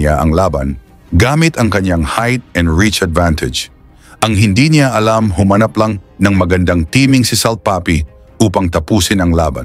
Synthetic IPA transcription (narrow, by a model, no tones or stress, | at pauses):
aʔɐŋlaːbɐ̰n | ɡaːmɪt̪ɐŋkɐɲaŋhajt̪̚ɛ̃nd̪ɹit͡ʃɐd̪vant̪ʰɛd͡ʒ | ʔɐŋɦɪnd̪inɪaʔɐlamhʊmɐnaplɐŋnɐŋmɐɡɐnd̪aŋt̪iːmɪŋsɪsɐlt̪̚paːpɪ | ʔuːpɐŋt̪ɐpuːsɪnɐŋlaːbɐ̰n